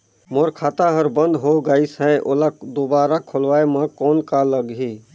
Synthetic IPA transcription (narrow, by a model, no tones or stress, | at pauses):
moːɾkʰaːt̪aɦəɾbə̃nd̪ɦoɡaːisɦɛʔolad̪obaːɾakʰʊlʋaːeməkɔːnkaləɡɦi